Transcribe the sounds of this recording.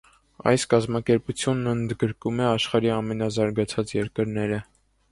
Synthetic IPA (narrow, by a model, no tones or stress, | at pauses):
ɑ̰jskɑzmɑkɛɾput͡sʰjunːənd̪ɡəɾkumɛɑʃχɑɾiɑmɛnɑzɑɾɡɑt͡sʰɑt͡sjɛɾkəɾnɛɾə